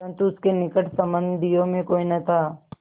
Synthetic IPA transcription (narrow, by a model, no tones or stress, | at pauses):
ɾə̃nt̪uʊskenɪkəʈsɐmbənd̪ʱijõmẽkoːinɐt̪ʰaː